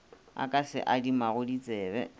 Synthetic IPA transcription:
a̰kʼasɪ̰ʔadimaɣʊdit͡sʼɛːbɛ̰

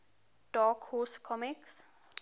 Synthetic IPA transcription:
ʈɔːkhoːsʈkʰɔmiks

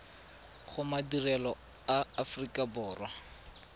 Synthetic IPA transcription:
χʊmadirɛlɔ | aːfrikʼabʊːrwa

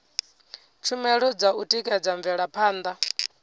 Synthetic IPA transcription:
t͡ʃʰumɛɺɔd͡zautʼikʼɛd͡zaɱvɛɺapʰaːnd̪a

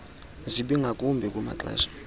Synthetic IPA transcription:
zʷiɓiŋɡʱakʼumbʱikʼuma̰t͡ɬɛ̰ːzʷḁ

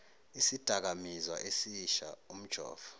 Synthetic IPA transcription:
isid̥ʱak̬amizwaʔesiʃa̰um̩̥ʒ̥ʱɔ̰ːv̥ɔ̥

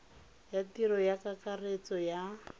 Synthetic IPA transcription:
jatiɾɔjakakaret͡sɔja

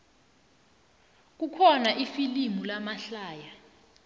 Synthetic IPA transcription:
k̬ukʰɔnaʔifilimulamaɬaːja

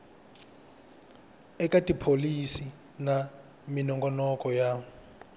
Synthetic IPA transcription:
ɛkatipʰolisi | na | minɔŋɡɔnɔkɔja

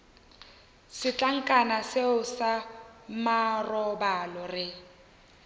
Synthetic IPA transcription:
sɪt͡ɬʼaŋ̩kʼanaseʊsamarɔbalɔrɪ

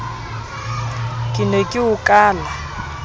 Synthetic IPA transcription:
kʼɪnekʼɪukʼaːla

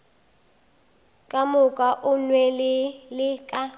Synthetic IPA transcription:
kʼamʊkʼaʔʊnwɛlɪlɪkʼa

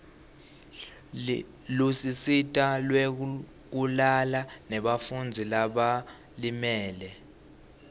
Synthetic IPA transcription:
lusisitʼalwe | k̬ulalanɛɓafund͡zʱilaɓa | limɛːlɛ

